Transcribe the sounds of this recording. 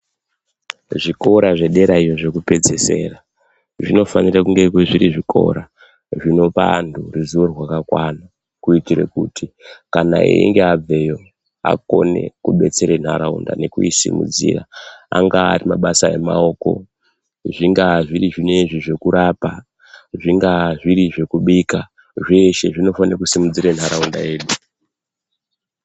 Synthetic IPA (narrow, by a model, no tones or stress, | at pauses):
ʐiko̞ɾaʐe̞ɗe̞ɾaijo̞ʐe̞kupe̞d͡ze̞se̞ːra | ʐino̞fanirakuŋɡekeʐiɾiʐikʰo̞̰ɾa | ʐino̞panduruzuorwakakwana | kuitiɾe̞̰kutikana̰ḛiŋɡeab͡ve̞jo̞ | a̰ko̞̰ne̞̰kuɓe̞t͡se̞ɾen̤aɾaṵnda̰ne̞kuisḭmṵd͡zḭːra̰aŋɡaːrimaɓasae̞mao̞ːko̞̰ | ʐiŋɡaʐiriʐine̞ʐiʐe̞kuɾapa | ʐiŋɡaʐiɾiʐe̞kuɓika | ʐeʃe̞ʐino̞fanrakusimud͡ziɾen̤aɾaundae̞ːɗu